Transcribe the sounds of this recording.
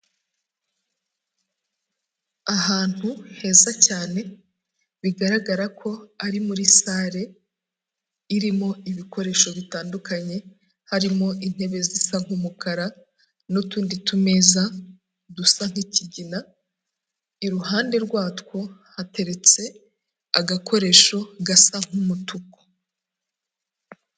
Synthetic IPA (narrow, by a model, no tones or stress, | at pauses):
aɦaːn̥huhe̞ːzacaːne̞ | βiɡaɾaɡaɾakʰo̞aɾimuɾisaːɾe̞ | iɾimo̞iβiko̞ɾe̞ːʃo̞βitaːndukaɲe̞ | haɾimo̞ʔin̥he̞βe̞zisaŋ̥umukaɾa | notuːnditume̞za | dusaŋ̥hiciɟina | iɾuhaːnde̞ɾɡwaːtko̞hate̞ɾe̞t͡se̞ | aɡakʰo̞ɾe̞ːʃo̞ɡasaŋ̥umutuko̥